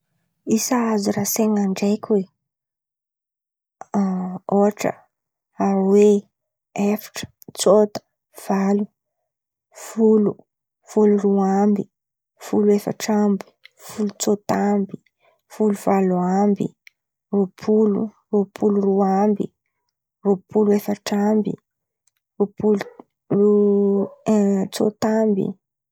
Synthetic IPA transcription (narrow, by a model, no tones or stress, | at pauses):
isaazuɾaseŋaɳɖ͡ʐajkʲwe | oaʈ͡ʂə̰ | aɾwe | efi̥ʈ͡ʂə̥ | t͡sot̪ə̥ | v̥alu | fulu | fuluruambi | fuluefə̰ʈ͡ʂambi̥fulut͡sot̪ambi̥ | fuluvaluambḭ | rupʰulṵ | rupʰuluruambi | rupʰuluefəʈ͡ʂambḭ | rupulu | u | t͡so̰t̪ambḭ